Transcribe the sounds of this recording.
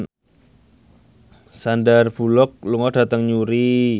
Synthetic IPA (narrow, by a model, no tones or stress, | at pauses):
sandarb̥ṳlɔk̚luŋɔd̥a̤t̪əŋɲuɾi